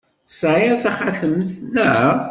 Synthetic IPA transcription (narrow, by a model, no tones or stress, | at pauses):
sʕaθæχaθəmθnə